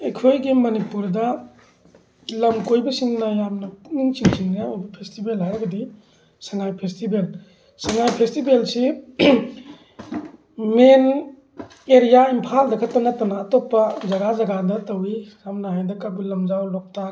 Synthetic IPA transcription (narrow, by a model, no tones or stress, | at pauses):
ekʰojɡimɐnipuɾdɐ | lɐmkojbɐsiŋnɐjamnɐniŋt͡ʃiŋsiŋnɐojbɐpʰestibelɦajɾɐɡɐdi | sɐŋajpʰestibel | sɐŋajpʰestibelsi | men | eɾijaimpʰaldɐkʰɐtːɐnɐtɐnaːtopːɐd͡ʒɐɡad͡ʒɐɡadɐtɐwijamnaɦajdɐkabilɐmd͡ʒawlɔk̚tʰa